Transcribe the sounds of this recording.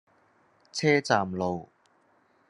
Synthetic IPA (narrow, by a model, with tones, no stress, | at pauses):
t͡sʰɛː˥t͡saː˨mlo˨w